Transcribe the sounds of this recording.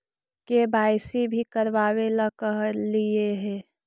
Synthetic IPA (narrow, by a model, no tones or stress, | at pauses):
kebʱaːjsibʱikəɾʋaːweləkəɦlieɦɛ̃ː